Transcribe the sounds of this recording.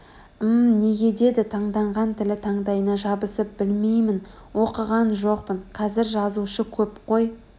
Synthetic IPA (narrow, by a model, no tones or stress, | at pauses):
əmne̞ɡʲe̞d̪e̞d̪ɪt̪ʰɑɴd̪ɑɴʁɑnt̪ʰɪlɪt̪ʰɑɴd̪ɑjənɑʒɑbəsəp̚b̥ɪlme̞jmɪn | wo̞qəʁɑnʒo̞q̚pənqʰɑzɪɾʒɑzuʃəkʲʰɵpqʰo̞j